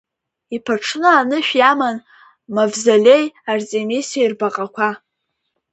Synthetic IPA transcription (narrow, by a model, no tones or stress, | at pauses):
ipʰaʈ͡ʂʰnɨanɨʃᶣjaman | mavzalʲe̞jart͡sʼemisiairbaqʼakʷʰa